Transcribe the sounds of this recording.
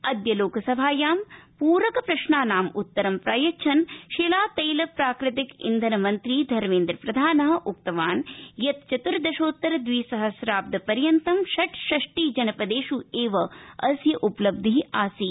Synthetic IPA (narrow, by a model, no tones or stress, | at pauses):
ɐd̪jɐloːkɐsɐbʱaːjaːmpuːɾʋɐkɐpɾɐʃɳaːnaːmut̪ːɐɾɐmpɾaːjɐt͡ʃʰɐnʃelaːt̪ɐjlɐpɾaːkɾɪt̪ɪkḭnd̪ʱɐnɐmɐnt̪ɾiːd̪ʱɐɾmeːnd̪ɾɐpɾɐd̪ʱaːnɐɦɐ̆ʔukt̪ɐʋaːnjɐt̪̚t͡ʃɐt̪uɾd̪ɐʃoːt̪ːɐɾɐd̪ʋiːsɐɦɐsɾaːp̚d̪ɐpɐɾjɐnt̪ɐmʃɐʈʃɐʂʈiːd͡ʒɐnɐpɐd̪eːʃueːʋɐɐsjɐʔuplɐb̚d̪iɦiaːsi